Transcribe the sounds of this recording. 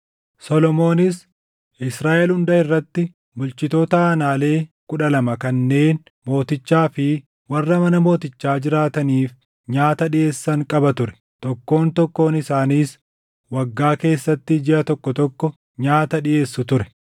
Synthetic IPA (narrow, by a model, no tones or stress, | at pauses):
sɔlɔmo̞ːnɪs | ʔɪsɾaːʔɛlhʊnd̪ɐɪrːɐt̪ːɪ | bʊlt͡ʃɪt̪o̞ːt̪ɐaːnaːle̞ːkʊᶑɐlɐmɐkɐnːe̞ːn | mo̞ːt̪ɪt͡ʃːaːfɪ | wɐrːɐmɐnɐmo̞ːt̪ɪt͡ʃːaːd͡ʒɪɾaːt̪ɐniːf | ɲaːt̪ɐᶑɪje̞ːsːɐŋkʼɐbɐt̪ʊɾɛ̥ | t̪ɔkːo̞ːnt̪ɔkːo̞ːnɪsaːniːs | wɐɡːaːke̞ːsːɐt̪ːɪd͡ʒɪʔɐt̪ɔkːɔt̪ɔkːɔ | ɲaːt̪ɐᶑɪʔe̞ːsːʊt̪ʊɾɛ̥